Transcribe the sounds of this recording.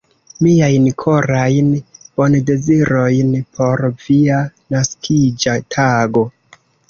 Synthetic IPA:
miajnkʰo̞ɾajnb̥o̞nde̞ziɾo̞jnpʰo̞ɾvianaskʰid͡ʒatʰaɡo̞

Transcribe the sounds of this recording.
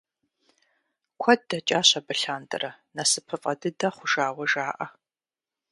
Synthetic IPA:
kʷʰɐd̚dɐt͡ʃʼaːɕɐbɨɬaːndɨ̰rɐnɐsɨpʰɨfʼɐdɨdɐχʷʊʒaːwɐʒaːʔɐ

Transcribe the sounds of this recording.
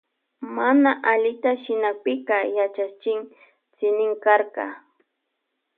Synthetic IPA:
manaʔaʎɪt̪aʃɪnak̚pɪkɑjat͡ʃat͡ʃɪŋ | t͡sɪnɪŋkaɾqɑ̰

